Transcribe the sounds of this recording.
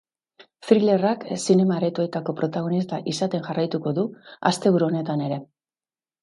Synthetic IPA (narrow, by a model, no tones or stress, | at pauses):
fɾile̞raksine̞maɾet̪uet̪ako̞pɾo̞t̪aɣ̞o̞nist̪aʔisat̪e̞nʝarajt̪uko̞ðua̰st̪e̞βuɾuo̞ne̞t̪ane̞ɾe̞